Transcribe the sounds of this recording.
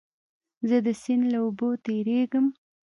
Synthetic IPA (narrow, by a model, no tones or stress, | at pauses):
zəd̪əsɪnlaobot̪eɾeɡəm